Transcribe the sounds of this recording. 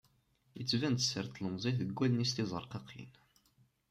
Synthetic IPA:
jət͡sːvænt̪səɾt̪ləmzˤiθəɡʷːælnist̪izˤəɾˤqɑqʰḭn

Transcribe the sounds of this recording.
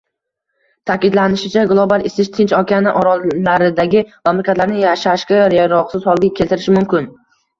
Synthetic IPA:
t̪ʰakʲɪd̪lanɪʃɪt͡ʃʰaɡlˠobalɪsɪʃt̪ʰɪnt͡ʃɒkʲʰanɪʔɒɾɒlaɾɪd̪aɡʲɪmamlekʰʲat̪laɾnɪjaʃaʃkʲaɾjaɾɒqsɪzhɒlˠɡʲakʲʰelt̪ɪɾɪʃɪmʊmkʲɪn

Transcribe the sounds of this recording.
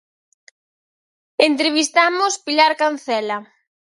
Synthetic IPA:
ent̪ɾeβ̞ist̪amʊspilaɾkan̟θɛla

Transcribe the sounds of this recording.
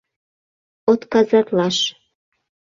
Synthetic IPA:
ot̪kɑzɑt̪lɑʃ

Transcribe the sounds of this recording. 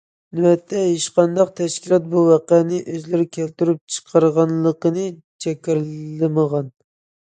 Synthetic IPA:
nɪwɛt̪ʰːɛɦeʃqɑnd̪ɑq̚t̪ʰɛʃkʲilˠɑt̪̚buwɑqɛnɪʔøzlɪɾkʲʰælt̪yɾyp̚t͡ʃʰə̥qʰɑɾʁɑnlˠəqənɨ | t͡ʃʰɛkʲɪɾɨməʁɑn

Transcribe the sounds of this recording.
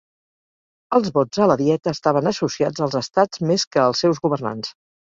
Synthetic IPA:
əlˠzβɔd͡zələðiɛt̪əːst̪aβənəsusiad͡zəlˠzəst̪ad͡zmeskəːlˠsːɛwzɣuβərna̰ns

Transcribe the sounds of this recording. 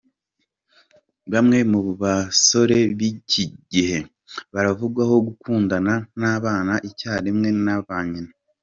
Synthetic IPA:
βamŋe̞muβaso̞ɾe̞βiciɟihe̞ | βaɾavuɡwaho̞ɡukuːndananaːβaːnaʔicaːɾimŋe̞naβaːɲina

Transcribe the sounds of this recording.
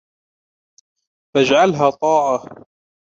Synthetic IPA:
fad͡ʒʕalɦaːt̪ˤɑːʕa

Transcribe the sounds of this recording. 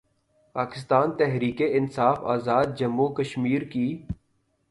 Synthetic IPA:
paːkɪst̪aːnt̪ɛɦɾiːkeɪnsaːfa̰ːzaːd̪̚d͡ʒɐmːukəʃmiːɾkiː

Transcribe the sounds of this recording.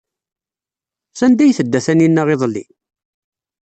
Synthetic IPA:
sænd̪æjθəd̪ːæθæninːæʁeðˤlːḭ

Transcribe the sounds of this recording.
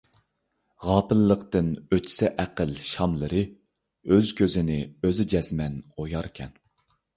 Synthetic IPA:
ʁɑːpɨlːəqt̪ɨnøi̥sɛʔæqəlʃɑmlˠəɾɨ | øzkʲøzɪnɪøzɪd͡ʒɛz̥mɛnojɑɾkʲʰɛ̰n

